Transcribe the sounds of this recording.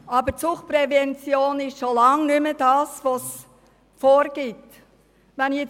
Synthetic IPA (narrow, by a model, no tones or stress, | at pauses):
ɑbət͡sʊχpɾɛvɛnt͡sjoːnɪʃʃolɑŋnʏməd̥ɑːsʋos | foːɾɡ̥ɪt | ʋɛnjet͡s